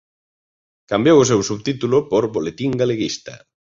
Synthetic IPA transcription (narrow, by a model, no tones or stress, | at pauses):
kambjowosewsuβt̪it̪ulopoɾβolet̪iŋɡaleɣist̪a̰